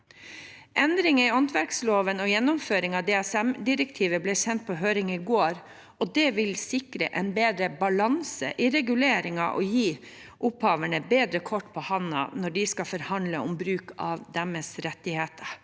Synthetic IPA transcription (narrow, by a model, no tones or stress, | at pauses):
ʔɛnd̪ɾɪŋəɪɔnt̪ʰʋæɾksloːʋənɔjɛnːɔmføːɾɪŋɑd̪eːæsɛmd̪ɪɾɛkt̪ʰiːʋəblɛːsɛnt̪̚pʰɔɦøːɾɪŋɪɡoːɾ | ɔd̪ɛʋɪlsɪkɾə̰ʔɛnbeːd̪ɾəbɑlɑnsə̰ʔɪɾɛɡʉleːɾɪŋɑ̰ʔɔ̰jiː | ʔʊphɑːʋəɳəbeːd̪ɾəkʰɔʈːpʰɔhɑnɑ̰nɔɖɪskɑfɔɾhɑnd̪ləɔ̰mbɾʉːkɑʋd̪ɛməsɾɛt̪ːɪheːt̪ʰəɾ